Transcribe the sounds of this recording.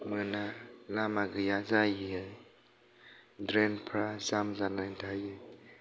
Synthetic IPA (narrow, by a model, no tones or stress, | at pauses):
mɯnalamaɡɯjazajiɯj | dɾɛnpʰɾazamzanajdʰajɯ